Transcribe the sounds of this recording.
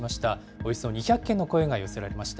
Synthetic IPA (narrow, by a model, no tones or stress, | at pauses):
maɕi̥t̪a | o̞isɨoɲ̟içʲakːe̞nːo̞ko̞e̞ɡajose̞ɾaɾe̞maɕi̥t̪a